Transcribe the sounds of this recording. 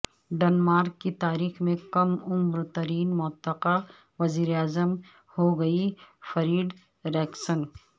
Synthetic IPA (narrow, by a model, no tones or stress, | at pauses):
ɖɐnmaːɾkːit̪aːɾiːxmẽkɐmʊmɾt̪ɐɾiːnmʊt̪ːəqa | ʋɐziːɾeaːzəm | hoɡɐifɐɾiːɖ | ɾɛːksən